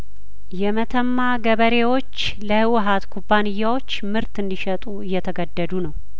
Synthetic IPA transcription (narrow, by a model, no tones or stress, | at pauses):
jɛmət̪ʰəmːaɡəβəɾe̞wo̞t͡ʃː | ləhɨwɨɦat̪kʰubːanɨjːawo̞t͡ʃːmɨɾt̪ɨnd̪iʃɛt̪ʼuɨjːɛt̪ʰəɡəd̪ːəd̪unəw